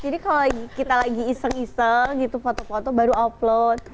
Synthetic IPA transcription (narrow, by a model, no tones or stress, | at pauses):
d͡ʒadikalolaɡikit̪alaɡiːsəŋisəŋɡit̪ufɔt̪ɔfot̪ɔbaɾuɔplot̪̚